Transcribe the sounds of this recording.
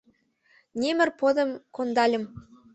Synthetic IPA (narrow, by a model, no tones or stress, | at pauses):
nʲemɘ̆rpod̪ɤ̆mkond̪ɑlʲɘ̆m